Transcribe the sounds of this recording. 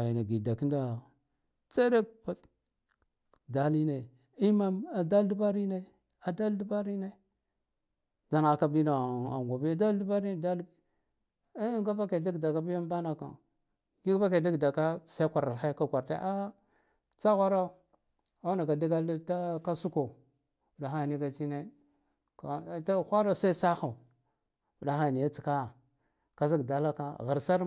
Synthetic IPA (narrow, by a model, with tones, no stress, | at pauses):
i˨na˨ɡi˨da˨ki˦nda˨ | t͡se˦ɾe˦pa˨ | da˨li˦na˨ | i˦ma˦ma˨da˦ldu˦ba˦ɾi˦na˦˨ | a˨da˦ldi˦ba˦ɾi˦na˦˨ | da˨n˨a˨ka˦bi˦na˨a˨ŋ˨ɡʷa˨bi˦ja˦da˦ldu˦ba˦ɾi˦˨da˦l | ɡa˦ba˦ke˨da˦ɡda˨ka˦bi˦a˦m˦ba˦na˨ka̰˨ | ɡi˦ɡba˦ka˨di˦ɡda˨ka˦sa˦kʷa˨ɾa˨ɾxa˦ka˦˨kʷa˨ɾta̰˦ʔa˦ | t͡sa˦ɣʷa˦ɾa˦˨ | a˦na˨ɡa˨da˦ɡa˦lta˦ka˦su˦ko˨ | u˨da˨xa˦˨ni˦ka˨t͡ʃi˦ne˦ | ka˨ta˦xʷa˦ɾa˦˨sa˦i˦sa˦xa˨ | u˨da˨xa˦˨ni˨ja˦t͡si˨ka˦˨ | ka˨zi˦ɡda˨la˦ka˦ɣa˨ɾsa˦ɾ